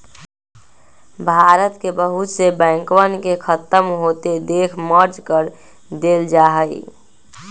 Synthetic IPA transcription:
bʱaːɾət̪kebəɦʊt̪sebɛ̃ːŋkwənkekʰət̪əmɦoːt̪ed̪eːkʰməɾd͡ʒkəɾ | d̪eːld͡ʒaːɦəḭ

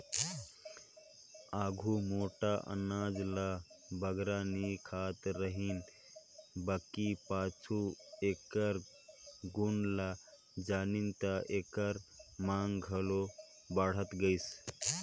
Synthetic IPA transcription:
aːɡʱumoːʈaʔə̰naːd͡ʒla | bəɡɾanikʰaːt̪ɾəɦin | bəkipaːt͡ʃʰueːkəɾ | ɡunla | d͡ʒaːnint̪aʔeːkəɾmaːŋɡɡʱəlo | bəɽ̤ət̪ɡəjs

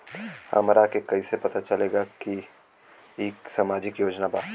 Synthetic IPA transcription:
hɐ̰mɾakekɐisepɐt̪at͡ʃɐleːɡaki | eːksamaːd͡ʒɪkjoːd͡ʒnabaː

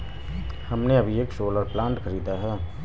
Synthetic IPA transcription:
hɐmneɐbʱieːksoːləɾplãːɳʈkʰɐɾiːd̪aɦɛː

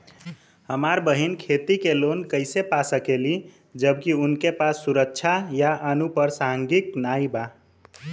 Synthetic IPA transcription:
həmaɾbəɦinkʰet̪ikelonkəɪsepasəkeli | d͡ʒəbkiunkepasːuɾəkːt͡ʃʰajaʔənupəɾsaɦəŋɡiknaiba

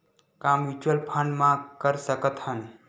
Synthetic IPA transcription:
kamʋit͡ʃwəlpʰəɳɖmãkəɾsəkət̪hən

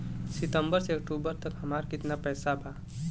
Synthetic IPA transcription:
sɪt̪ə̃mbəɾseɐkʈuːbəɾt̪əkɦəmaːɾkɪt̪napɛːsabʱaː

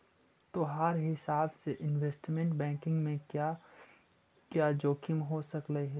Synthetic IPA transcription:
t̪oɦɐɾɦɪsaːbseʔɪnweːsʈmẽɳʈbɛ̃ːŋkɪ̃ŋɡmẽka | kjaːd͡ʒoːkʰɪmɦosɐkləɦɛ

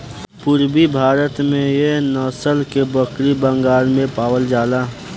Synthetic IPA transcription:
pʊɾbibʱaːɾət̪mẽjenəːsəlkebəkɾibə̃ŋɡaːɾmẽpaːwəld͡ʒaːlaː

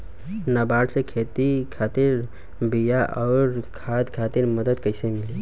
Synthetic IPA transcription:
nabaːɽsekʰeːt̪ikʰaːt̪ɪɾ | bijaʔɔːɾkʰaːd̪kʰaːt̪ɪɾməd̪əd̪kəɪsemɪli

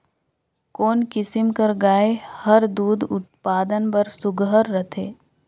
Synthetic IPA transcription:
koːnkɪsɪmkɐɾɡaːehɐɾd̪uːd̪ʊt̪̚paːd̪ənpɐɾsʊɡɦəɾːɐt̪ʰeː

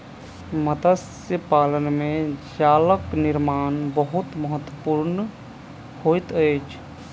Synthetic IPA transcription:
məd̪əs | jəpaːlənmẽd͡ʒaːləknɪɾmaːnbəɦʊt̪məɦət̪wəpuːɾn | hojt̪əɪt͡ʃʰ

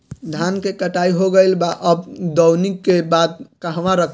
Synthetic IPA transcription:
d̪ʱankekəʈaiɦoɡəɪlbaʔəbd̪əwnikːebad̪̚kəɦʋãɾəkʰ

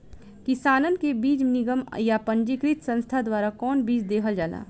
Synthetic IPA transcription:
kɪsaːnənkebiːd͡ʒnɪɡəmjapə̃ɲd͡ʒikɾɪt̪sə̃nst̪ʰad̪waːɾakɔːnbiːd͡ʒd̪eːkʰəld͡ʒaːla̰ː

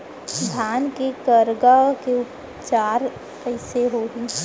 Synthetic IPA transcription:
d̪ʱaːnkekəɾɡakeʊp | t͡ʃaːɾ | əɪseɦoɡiː

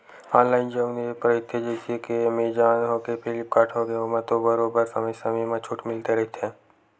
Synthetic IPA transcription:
ãːnlaːɪnd͡ʒəʋneepɾəɪt̪ʰːed͡ʒeːsiekemed͡ʒaːnɦoːkepʰɪlɪp̚kaːʈʰoɡeɦomãt̪obəɾoːbəɾsɐməjsɐmimãt͡ʃʰuːʈʰmɪlt̪eɾɐɦit̪ʰẽː

